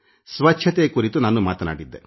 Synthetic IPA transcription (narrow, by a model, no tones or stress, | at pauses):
sʋɐt͡ʃːt͡ʃʰɐt̪eːkuːɾit̪unaːnːumaːt̪ɐna̰ːɽid̪ːe